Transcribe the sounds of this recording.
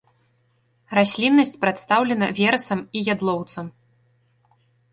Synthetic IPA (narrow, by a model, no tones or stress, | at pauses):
rasʲlʲinːɐsʲt͡sʲpɾat̪st̪awlʲɛnɐvʲɛɾɐsɐmijad̪lˠɔwt̪sɐm